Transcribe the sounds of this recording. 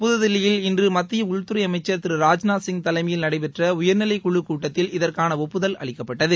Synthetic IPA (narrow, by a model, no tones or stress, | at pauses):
pʊðɯðɪlːɪjɪlɪndrɯmɐt̪ːɪjɐʊɻt̪ːʊɾɐɪɐmɐɪt͡ʃːɐɾt̪ɪɾɯɾaːd͡ʒnaːsɪŋt̪ɐlɐɪmɐjɪlnɐɽɐɪpɛʈrɐʊjɐɾnɪlɐɪkʊɭːɯkːuːʈːɐt̪ːɪlɪðɐrkaːnɐɔpːɯðɐlʔɐ̰ɭɪkːɐpːɐʈːɐðɯ